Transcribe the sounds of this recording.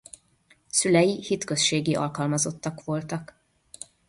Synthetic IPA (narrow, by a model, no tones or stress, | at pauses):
sylɛjihit̪kø̞sʃeːɡiʔɒ̰lkɒlmɒzo̞t̪ːɒkʋo̞lt̪ɒk